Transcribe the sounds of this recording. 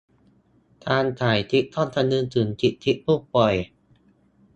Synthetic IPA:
t̪ʰaː˧nt̪ʰaː˨˩˦jt̪ʰi˦˥ʔ̚t̪ʰɔː˥˩nt̪ʰa˧nɯː˧nt͡ɕɯː˩˦nt̪ʰi˦˥ʔ̚t̪ʰi˦˥ʔ̚pʰuː˥˩pɔ˨˩j

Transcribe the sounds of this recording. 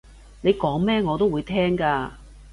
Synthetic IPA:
ne˨˧jkɔː˨˥ŋmɛː˥ŋɔː˨˧t̪o˥wuː˨˧jt̪ʰɛː˥ŋkaː˧

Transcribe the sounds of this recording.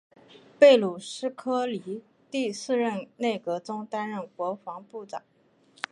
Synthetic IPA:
pe˥˩ɪlu˨˩ʂɻ̩˥kʰɤ˥li˧˥ | t̪i˥˧sɹ̩˥˧ɻə˥˧nne˥˩ɪkɤ˧˥t͡sʊ˥ŋt̪a˥nɻə˥˩nkwɔ˧˥fɑ˧˥ŋpu˥˩t͡sɑ̰˨˩˦

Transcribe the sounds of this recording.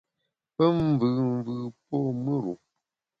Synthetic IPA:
pə˦m˦vɨ˨m˦vɨ˦˨p̚o˦mə˦ɾṵ˨

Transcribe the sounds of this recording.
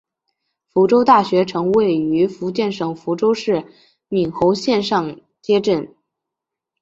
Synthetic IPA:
fu˧˥ʈ͡ʂo˥ʊt̪a˥˩ɕɥɛ˧˥ʈ͡ʂʰɤ˧˥ŋwe˥˩ɪy˧˥fu˧˥t͡ɕjɛ˥˩nʂɤ˨˩ŋfu˧˥ʈ͡ʂo˥ʊʂɻ̩˥˩ | mi˨˩nxo˧˥ʊɕjɛ˥˧nʂɑ˥˧ŋ | t͡ɕjɛ˥ʈ͡ʂə˥˩n

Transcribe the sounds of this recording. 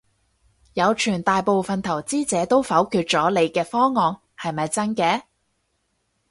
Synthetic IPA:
jɐ˨˧wt͡ʃʰyː˨˩nt̪aː˨jpo˨˧wfɐ˨nt̪ʰɐ˨˩wt͡siː˥t͡sɛː˨˥t̪o˥wfɐ˨˥wkʰyː˧t̚t͡sɔː˨˥le˨˧jkɛː˧fɔː˥ŋɔː˨˧ŋ | hɐ˨jmɐ˨jt͡sɐ˥nkɛː˧˥

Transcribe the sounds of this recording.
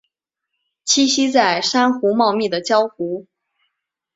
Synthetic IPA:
t͡ɕʰi˥ɕi˥t͡sa˥˩ɪʂa˥nxu˧˥mɑ˥˧ʊmi˥˩d̪ə˩t͡ɕjɑ˥ʊxu˧˥

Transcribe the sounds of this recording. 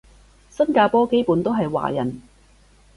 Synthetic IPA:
sɐ˥nkaː˧pɔː˥ke˥jpuː˨˥nt̪o˥wɦɐ˨jwa̰ː˨˩jɐ̰˨˩n

